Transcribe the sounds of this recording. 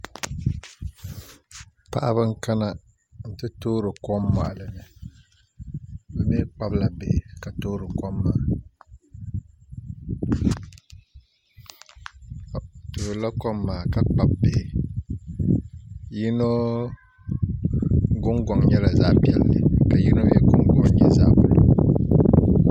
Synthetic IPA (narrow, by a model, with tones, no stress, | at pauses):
pa̰˨ʔa̰˦βɨ˦ŋ˦ka˦na˦˨ | n̩˦tɨ˦toː˦ɾɨ˨kɔ˦mːa̰˨ʔa˨lɨ˨nɨ˨ | bɨ˨me˦k͡pa˦bla˨be˨ka˨toː˦ɾɨ˨kɔ˦mːaː˨ | toː˨ɾla˦kɔ˦mːaː˨ka˦k͡pa˨b̚be˨ | ji˦no˦ | ɡʊ˦ŋɡɔ˨ŋɲɛ˦la˨za˦ʔpi˦ɛ˦lːɨ̰˨ka˨ji˦no˦jɛ̰˦ɡʊ˦ŋɡɔ˨ŋɲɛ˦za̰˦bʊ˨lo˦